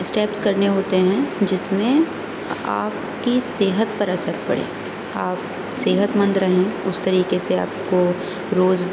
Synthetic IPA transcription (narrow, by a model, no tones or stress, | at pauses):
sʈeːpskɐɾneɦoːt̪eɦɛ̃d͡ʒɪsmẽ | a̰ːp | kiseːɦət̪̚pɐɾɐsəɾpɐ̰ɽḛː | aːp̚ | seːɦət̪mə̃nd̪ɾɐɦẽʊst̪ɐɾiːkesea̰ːpko | ɾoːz